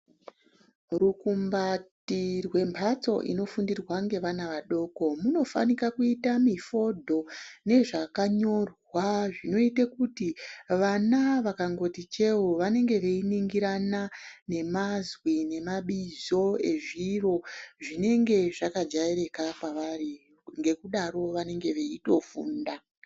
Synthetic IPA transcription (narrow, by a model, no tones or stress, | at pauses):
rukumbattirwe̞mpʰat͡so̞̰ʔḭno̞fundirwaŋɡe̞ʋanaʋaɗo̞ːko̞muno̞fa̰nikakuitamifo̞dʱo̞ne̞ʐakaɲo̞rwaʐino̞itekutiʋanaʋakaŋɡo̞tit͡ʃe̞woʋane̞ŋɡe̞ʋeiniŋɡiɾanane̞mazwine̞maɓizo̞e̞ʐiro̞ʐine̞ŋɡe̞ʐakad͡ʒaeɾe̞kapaʋari | ŋɡe̞kuɗaɾo̞ʋane̞ŋɡe̞ʋe̞ito̞fṵːnda